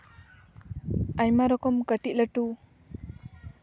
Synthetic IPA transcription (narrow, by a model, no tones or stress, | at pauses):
ajmaɾɔkɔmkəʈiʔ̚ləʈu